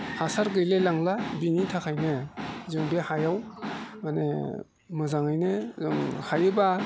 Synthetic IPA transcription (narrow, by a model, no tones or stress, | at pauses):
hasaɾɡɯjlelaŋlabinitʰakʰajnɯzɯŋbehajawmanḛ | mɯzaŋajnɯzɯŋhajɯba